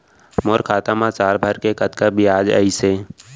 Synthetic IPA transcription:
moːɾkʰaːt̪amãt͡ʃaːlbʱəɾkekət̪kabiaːd͡ʒə̰iseː

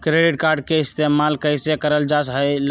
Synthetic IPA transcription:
kɾeɖiʈ̚kaɾɖ̚keist̪emalkəjsekəɾəld͡ʒasɦəjl

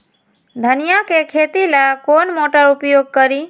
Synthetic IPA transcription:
d̪ʱənijakekʰet̪ilakonmoʈəɾupjoɡ̚kəɾi

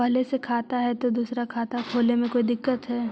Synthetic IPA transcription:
pɐɦlesekʰaːt̪aɦɛt̪od̪uːsɾakʰaːt̪akʰoːlemẽkoːid̪ɪkːət̪ɦɛː

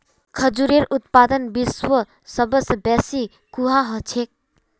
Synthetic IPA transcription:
kʰəd͡ʒuɾeɾut̪pad̪ənbiswə | səbəsbɛsi | kuɦaɦət͡ʃʰek̚

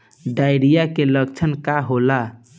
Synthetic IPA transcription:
ɖaɪɾijakeləɡt͡ʃʰənkaɦola

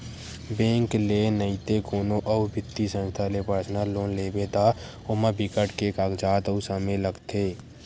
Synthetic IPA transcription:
bẽːŋklenəit̪ekoːnõʔəubʱɪt̪ːisə̃nst̪ʰalepəɾsnəloːnleːbet̪a | ʊmabɪkəʈkekaːkd͡ʒaːt̪əusameləɡt̪ʰeː

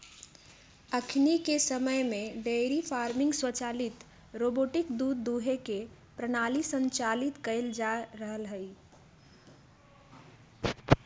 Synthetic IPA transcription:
əkʰnikesəməjmẽɖeɾipʰaːɾmɪ̃ŋɡswət͡ʃaːlɪt̪ | ɾoboʈɪkd̪ud̪ːuɦeke | pɾənalisə̃ɲt͡ʃalɪt̪kəɪld͡ʒaɾəɦəlɦəi

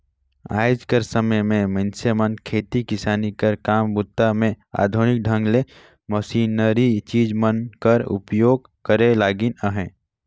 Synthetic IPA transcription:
a̰ːjd͡ʒkəɾsəməjmẽmə̃nsemə̃nkʰeːt̪ikɪsaːnikɐɾkaːmbʊt̪ːamẽ | a̰ːd̪ʱʊnɪk̚ɖʱə̃ŋɡle | məsiːnəɾit͡ʃiːd͡ʒmənkəɾʊ̰pjoːɡ̚ | kəɾelaːɡinəɦɛ̃ː

